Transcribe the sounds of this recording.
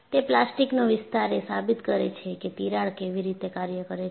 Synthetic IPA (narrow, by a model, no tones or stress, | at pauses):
t̪eplasʈiknoʋɪst̪aɾesabit̪kəɾet͡ʃʰeket̪iɾaɭkeʋiɾit̪ekaɾjəkəɾe